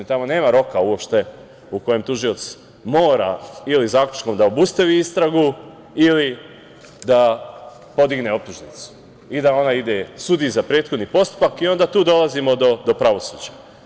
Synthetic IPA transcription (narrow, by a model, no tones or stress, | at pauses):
t̪amo̞ne̞ːmaɾo̞kauo̞pʃt̪e̞ | uko̞jemt̪uʒiot̪s | mo̞ːɾa̰ilizaːklʲut͡ʃko̞md̪aobust̪aʋiist̪ɾaɡu | ili | d̪a | po̞d̪iɡne̞o̞p̚t̪uʒnit̪su̥ | id̪ao̞naid̪e̞sud̪izapɾe̞ːt̪xod̪nipo̞st̪u̥pakio̞nd̪at̪uːd̪o̞lˠazimo̞d̪o̞d̪o̞pɾaʋo̞sṵːd͡ʑa